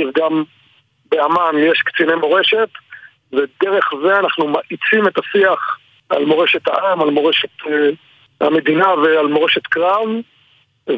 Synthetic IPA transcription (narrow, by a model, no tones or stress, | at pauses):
vɡam | beamanjeʃkt͡sinemoʁe̞ʃe̞t̪ | ved̪eʁe̞χze̞anaχnumaʔit͡simet̪asiaχ | ʔa̰lmo̞ʁeʃet̪a̰ʔamalmo̞ʁeʃe̞t̪e | ha̰me̞d̪inavealmo̞ʁe̞ʃe̞t̪kʁav